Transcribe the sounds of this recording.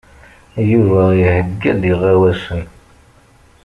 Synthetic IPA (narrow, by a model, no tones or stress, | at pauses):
juvæjəhəɡːæd̪iʁæwæsən